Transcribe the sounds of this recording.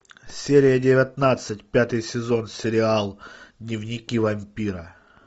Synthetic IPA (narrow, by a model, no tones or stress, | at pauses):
sʲeɾʲɪjədʲɪvʲɪt̪nat̪sɨtʲpʲat̪ɨjsʲɪzo̞nsʲɪɾʲɪalˠd̪nʲɪvnʲɪkʲivɐmʲpʲiɾɐ